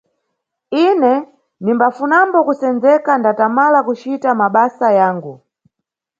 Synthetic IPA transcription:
inɛ | nimbafunambɔkusɛnd͡zɛkandatamalakut͡ʃitamaɓasajaːŋɡu

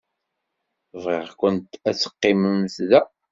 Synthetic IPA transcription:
vʁeʁkʷənt̪æt͡sːə̥qːɪməmθðæ

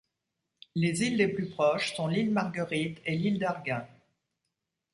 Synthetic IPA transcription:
lezilːeplypχɔʃsɔ̃lilmaʁɡəʁit̪elild̪aʁɡɛ̃

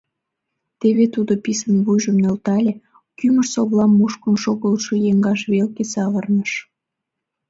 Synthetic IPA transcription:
t̪eβet̪ud̪opisənβujʒəmnølt̪ɑlʲe | kyməʃsoβlɑmːuʃkənʃoɣəlʃojeŋɡɑʃβelkesɑlərnəʃ

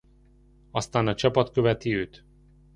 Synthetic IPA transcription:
ɒst̪aːnɒt͡ʃɒpɒt̪kø̞vɛt̪iøːt̪

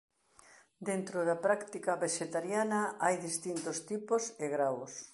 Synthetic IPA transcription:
d̪ent̪ɾʊðɐpɾakt̪ikɐβeʃet̪aɾjanɐajðist̪int̪ost̪iposeɣɾaws

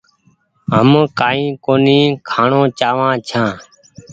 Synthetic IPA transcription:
ɦəmkaːĩːkoːniːkʰaːɳõːt͡ʃaːʋãːt͡ʃʰãː

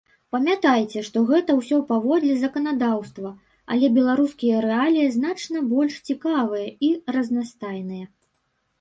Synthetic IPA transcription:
pɐmʲat̪ajt͡sʲɛʂt̪ɔɣɛt̪ɐwsʲɔpavɔd̪lʲɛzɐkɐnad̪awst̪vɐ | ɐ̰lʲɛbʲɛlˠaɾuskʲijɐɾɛalʲijɐznat͡ʂnɐbɔlʲʂt͡sʲikavɐjɐirɐznast̪ajnɨjɐ

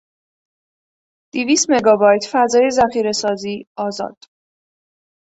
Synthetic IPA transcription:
d̪̥iviːst̪meɡɒːbɒːjt̪ʰfæzɒːjezæxiːɾe̞sɒːziːɒːzɒ̰ːd̪̥

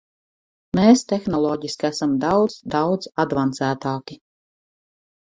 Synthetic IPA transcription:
meːst̪exnɔlˠɔːɟiskæsamd̪awd̪zd̪awd̪zad̪vant̪sæːt̪aːkʲi

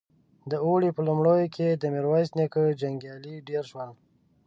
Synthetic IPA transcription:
d̪əoɽipəlumɽojokʰed̪əmiɾwajsnekəd͡ʒaŋɡjɑliɖeɾʃwəl

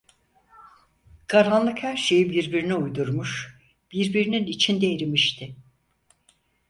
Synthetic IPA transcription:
kʰaɾanlˠɯkhæɾʃe̞jibiɾbiɾiniujd̪uɾmuʃ | b̥iɾbiɾininit͡ʃʰind̪eɾimiʃt̪ʰɪ

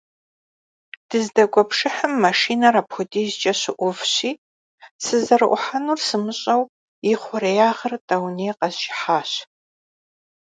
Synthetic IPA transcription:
d̥ɨzdɐɡʷʼɔpʂɨħəmːɐʂiːnɐɾɐpxʷʊdiːzt͡ʃʼɐɕɪʔʷʊfɕiː | sɨzɐɾɨʔʷʊ̰ħanuːrsɨmɨɕʼɐw | jɪχʷʊɾejaːʁɐrtʼɐwneːqɐzʒɪħaːɕ

